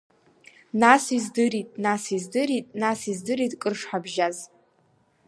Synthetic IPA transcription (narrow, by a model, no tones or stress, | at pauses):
nasizdɨɾitʼnasizdɨɾitʼnasizdɨɾitʼkʼɨrʂħabʒaz